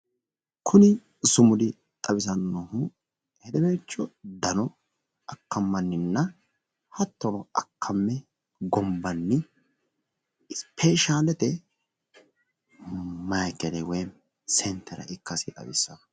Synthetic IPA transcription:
kʰʊnɪ | sʊmʊd̪ɪ | t̪ʼɐβɪsɐnːɔhʊ | hɛd̪ɛbeːt͡ʃːɔd̪ɐnɔ | ʔɐkːɐmːɐnːɪnːɐ | hɐt̪ːɔɾɔɐkʰːɐmːɛ | ɡɔmbɐnːɪ | ɪspʰeʃaːdɛt̪ɛ | mɐjkːɛlɛwɛj | sɛnt̪ʰːɛɾɐ̰ʔɪkːɐsɪt̪ʼɐ̰bɪsːɐ

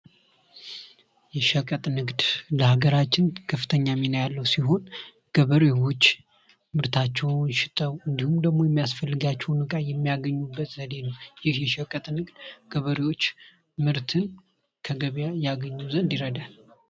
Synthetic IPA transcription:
jɛʃəkʼət̪ʼnɨɡd̪ləhaɡəɾat͡ʃːɪnkʰəfɨt̪ʰəɲːaminajalːəwsiɦo̞n | ɡ̥əβəɾewo̞t͡ʃː | mɨɾt̪ʰat͡ʃːɛwnʃɪt̪ʼəwɨnd̪ihumd̪əɡmo̞jɛmːijasfəlːɨɡat͡ʃːɛwnɨkʼajɛmːijaɡəɲːubːət̪zəd̪e̞nəwjɪhjɛʃəkʼət̪ʼnɨɡd̪ɡ̥əβəɾiwo̞t͡ʃː | mɨɾt̪ʰɨn | kʰəɡəβjajaɡəɲːuzənd̪iɾəd̪a

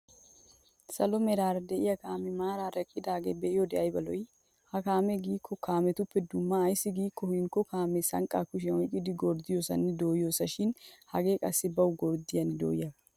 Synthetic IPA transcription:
sɐlɔmɛɾaːɾɐd̪ɛʔɪjɐkaːmɛmaːɾaːɾɐkʼːɪd̪aːɡḛːbɛʔɪjɔd̪ɛʔɐjbɐlɔj | hɐkaːmɛɡiːkːɔkʰaːmɛt̪ʊpːɛd̪ʊmːɐːjsːɪɡiːkːɔhɪŋkːɔkaːmɛsɐŋkʼaːkʊʃ̬ɛɔjkʼːɪd̪ɪɡɔɾd̪ɪjoːsɐ̰nɪd̪oːjo̞ːsɐʃɪnhɐɡe̞ːkʼɐsːɪbɐwɡɔɾd̪ɪjɐnɪd̪o̰ːjɐb

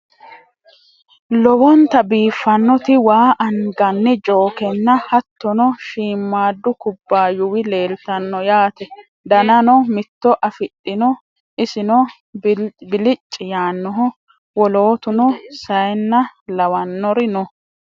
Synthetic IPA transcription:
lɔwɔnt̪ɐbiːfːɐnːɔt̪ɪwaːʔɐnɡɐnːɪt͡ʃʼo̞ːkɛnːɐhɐt̪ːɔnɔʃiːmːaːd̪ːʊkʊbːaːjʊwɪle̞ːlt̪ɐnːɔjaːt̪ɛ | d̪ɐnɐnɔmɪt̪ːɔʔɐfɪᶑːɪnɔ | ʔɪsɪnɔ | bɪlɪt͡ʃʼːɪjaːnːɔɦɔ | wɔlo̞ːt̪ʊnɔsɐjnːɐlɐwɐnːɔɾɪnɔ

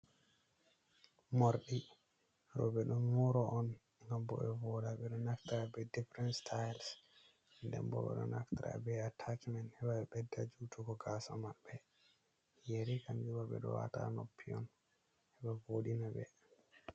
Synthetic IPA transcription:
moɾɗi | ɾɔbɛɗummɔɾɔʔɔn | ŋɡambɔ̰ɓɛvɔɗaɓɛɗɔnaktaɾabɛdifɾɛnstʰajls | ndɛ̰mbɔ̰ɓɛ̰ɗɔ̰naktaɾa̰bɛatʰat͡ʃmɛnɛɓaɛɓɛdːad͡ʒutʰukɔɡasamabɛ | jeɾikamd͡ʒubaɓɛ̰ɗɔ̰wa̰ta̰nopʰːiɔ̰n | ɛɓɛvoɗinabɛ̰

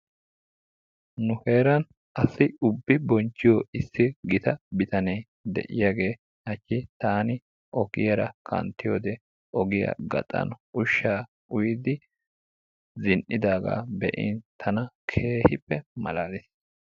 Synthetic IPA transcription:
nʊhe̞ːɾɐn | ʔɐsɪʊbːɪbɔnt͡ʃːɪjɔɪsːɪɡɪt̪ɐbɪt̪ɐnej | d̪ɛ̰ʔɪjaːɡe̞ː | hɐt͡ʃːɪt̪aːnɪ | ʔɔɡɪjɐɾɐkʰɐ̰nt̪ːɪjo̰ːd̪ɛ | ʔɔɡɪjɐ̰ɡɐ̰t̪ʼɐ̰nʊʃːaː | ʊjɪd̪ɪ | zɪnʔɪd̪aːɡa̰ːbɛ̰ʔɪ̰nt̪ʰɐnɐkʰe̞ːhɪpːɛmɐ̰laːlɪs

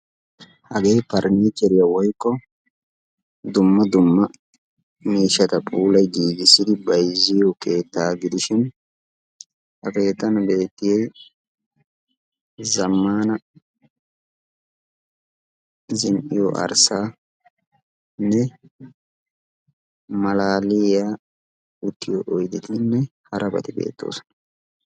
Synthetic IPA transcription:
hɐɡejpɐɾniːt̪ɛɾɪjɐwɔjkːɔ | d̪ʊmːɐd̪ʊmːɐ | miːʃːɐt̪ɐpʼuːlɐjɡiːɡɪsːɪd̪ɪbɐjzːɪjoke̞ːt̪ːaːɡɪd̪ɪʃɪn | hɐke̞ːt̪ːɐnbe̞ːt̪ːɪjɛj | zɐmːaːnɐ | zɪnʔɪjo̰ʔɐ̰ɾsaː | nːɛ | mɐlaːlɪjaː | ʊt̪ʰːɪjɔʔɔjd̪ɪt̪ɪnːɛhɐɾʔɐbɐ̰t̪ɪbḛːt̪ːo̞̰ːsɔ̥nɐ

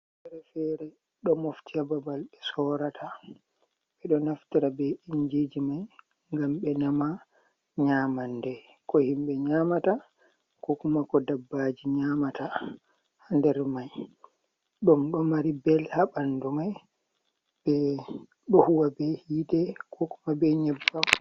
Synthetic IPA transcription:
fɛɾɛfɛɾɛ | ɗɔmoftiababalbɛsɔːɾatʰa | ɓɛɗɔnaftiɾabɛiɲd͡ʒed͡ʒimaj | ŋɡamɓɛnama | ɲaːmandɛ | kɔhimɓɛɲamata | kɔkumakɔdabːad͡ʒiɲaːmata | hndɛɾmaj | ɗɔmɗɔmaɾibɛlhaɓandɔmaj | b̥ɛ | ɗɔhuwabɛhiːdɛkʰɔku̥mabɛɲɛbːa

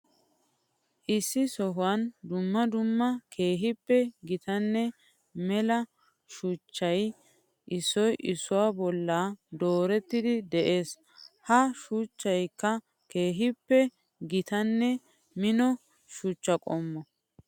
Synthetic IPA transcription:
ʔɪsːɪsɔɦʊwɐnd̪ʊmːɐd̪ʊmːɐkʰe̞ːɦɪpːɛɡɪt̪ɐnːɛ | mɛlɐ | ʃuːt͡ʃːɐj | ʔɪsːɔjʔɪsʊwabɔlːaːd̪o̞ːɾɛt̪ːɪd̪ɪd̪ɛʔe̞ːs | hɐʃuːt͡ʃːɐjkːɐ | ke̞ːɦɪpːɛ | ɡɪt̪ɐnːɛ | mɪnɔ | ʃut͡ʃːɐkʼɔmːɔ

